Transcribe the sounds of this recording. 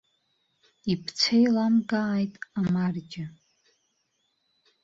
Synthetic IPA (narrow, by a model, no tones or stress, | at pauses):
ipʰt͡sʰejlamɡaːjtʼamarɡʲɪ